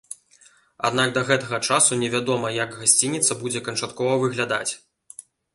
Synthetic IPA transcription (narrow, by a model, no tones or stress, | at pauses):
a̰d̪naɡ̚d̪ɐɣɛt̪ɐɣɐt͡ʂasunʲɛvʲad̪ɔmɐjɐɡɣasʲt͡sʲinʲit̪sɐbud͡zʲɛkɐnt͡ʂat̪kɔvɐvɨɣlʲad̪a̰t͡sʲ